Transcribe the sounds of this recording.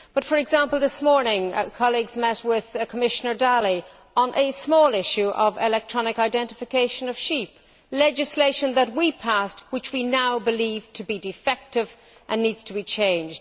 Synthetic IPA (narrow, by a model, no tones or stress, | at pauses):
b̥ʌtfə˞ɨɡzãmpəl̩ˠðɪsmɔɹnɪ̃ŋkʰɑlˠiɡzmɛt̚wɪð̥kʰəmɪʃənə˞dalˠi | ə̃nʔɨsmɔːlˠɪʃʉʔʌvɪlɛk̚tʰɹ̥ɑnɨkaɪdɛ̃ntɨfɨkʰeɪʃə̃nʌv̥ʃip | lɛd͡ʒɨsleɪʃə̃nðət̚wipʰast̚wɨt͡ʃwinaʊbɨliv̥tʰəbidɨfɛk̚tɪv | ʔə̃nːidz̥tʰəbit͡ʃʰẽɪ̃nd͡ʒd̥